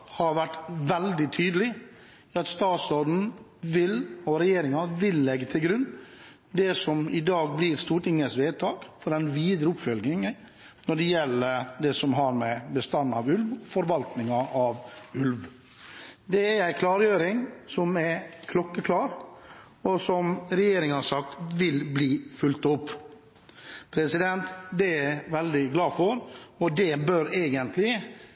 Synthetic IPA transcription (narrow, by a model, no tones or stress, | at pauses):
hɑɾʋæʈːʋɛld̪ɪt̪ʰyːd̪əlɪ | ɑt̪st̪ɑːt̪sɔd̪n̩ʋɪlɔɾɛjeːɾɪŋɑʋɪlːɛɡːət̪ʰɪlɡɾʉnː | d̪ɛsɔmɪd̪ɑːɡ̚blɪːɾst̪uːʈɪŋːəsʋeːd̪̚t̪ʰɑːɡ̥fɔɖɛnʋiːd̪ɾəʊpfœlɡ̪ɪŋə | nɔɖɛjɛlːəɾd̪ɛsɔmɦɑɾmɛbəst̪ɑnːɑʋʉlʋɔfɔɾʋɑlt̪nɪŋɑʔɑʋʉlʋ | d̪ɛæɾæɪkʰlɑːɾjøːɾɪŋsɔmækʰlɔkːəkʰlɑːɾ | ɔsɔmɾɛjeːɾɪŋəɑsɑk̚t̪ʋɪlbliːfʉlt̪ʊpː | pʰɾɛsɪd̪ɛnt̪d̪ɛæʋɛld̪ɪɡlɑːfɔɾɔd̪ɛbøɾeːɡənt̪lɪ